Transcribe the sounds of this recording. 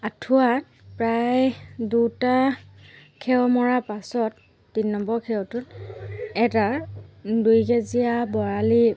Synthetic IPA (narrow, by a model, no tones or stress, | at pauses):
atʰuat | pɹajduta | kʰɛwmɔɹapasɔtː | inːɔmbɔɹkʰɛwtʊt | ɛta | dujɡɛzijabɔɹali